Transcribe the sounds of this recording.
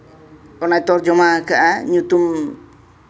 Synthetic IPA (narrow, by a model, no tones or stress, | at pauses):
ɔnajt̪ɔɾd͡ʒɔmakaʔaɲut̪um